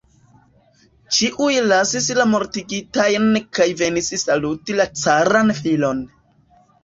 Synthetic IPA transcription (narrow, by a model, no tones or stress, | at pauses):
t͡ʃiʔujlasislamo̞ɾtiɡitajnkajve̞nissalutilat͡saɾanfilo̞n